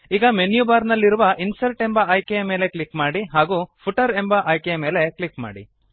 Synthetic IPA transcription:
iːɡɐmenjubaːɾnɐlːiɾuʋɐʔinsɐɾʈe̞mbɐːjkejɐmeːle̞kɭikmaːɽiɦaːɡuːpʰuʈɐɾe̞mbɐʔɐjkejɐme̞ːle̞klikma̰ːɽḭ

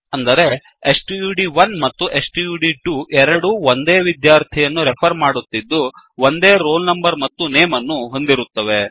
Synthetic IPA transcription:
ɐnd̪ɐɾe̞ | esʈjuːɖiʋɐnmɐt̪ːuʔe̞sʈjuːɖiʈuʔɛɾɐɽuond̪e̞ːʋid̪jaːɾt̪ʰijɐnːuɾeɛpʰɐɾmaːɽut̪ːid̪ːu | ʋond̪e̞ːɾoːlnɐmbɐɾmɐt̪ːuneːmɐnːuɦo̞nd̪iɾut̪ːɐʋe̞

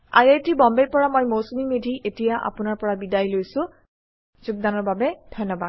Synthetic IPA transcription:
a̰jajtibɔmbejpɔɹamojmowsumimedʱiʔetijaʔa̰pʊnaɹpɔɹabidajlojsʊ̃ | zuɡ̚danɔɹbabɛdʱɔjnːɔbad̚

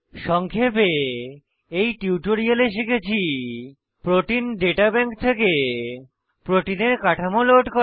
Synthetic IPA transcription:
ʃɔŋkʰepe | ejʈiuʈoɾialeʃiket͡ɕʰi | pɾoʈinɖeʈabɛŋkt̪ʰeke | pɾoʈineɾkaʈʰamoloʈko

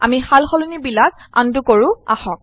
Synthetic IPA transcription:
a̰mihalxɔlunibilaka̰ndukoɹʊ̃a̰hɔk̚

